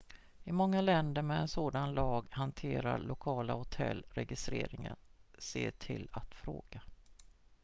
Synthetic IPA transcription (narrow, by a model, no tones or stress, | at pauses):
ɪmɔŋːalɛnd̪əɾmɛɛnsoːd̪anlɑːɡhant̪ʰeːɾa̰ɭʊkʰɑːlahʊt̪ʰɛ̰lːɾɛɡɪst̪ɾeːɾɪŋənseːʈʰɪlat̪fɾoːɡ̥a